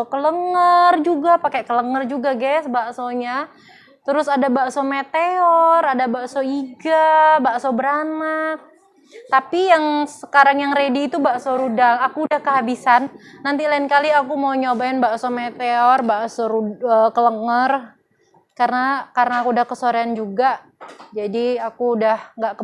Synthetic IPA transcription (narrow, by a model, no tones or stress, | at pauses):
okələŋərd͡ʒuɡapakekələŋərd͡ʒuɡaɡɛsbaʔsoɲa | t̪əɾʊsadabaʔsomet̪eɔradabaʔsoiɡabaʔsobəɾanak̚ | t̪apijaŋsəkaɾaŋjaŋɾediːt̪ubaʔsoɾudaŋakuːdahkəɦabisanːant̪ilaɪnkaliakumawɲobaɛnbaʔsomet̪eɔrbaʔsoɾuəkələŋər | kaɾənakaɾənaakuudahkəsoɾeand͡ʒuɡa | d͡ʒadiakuːdahŋɡaʔkə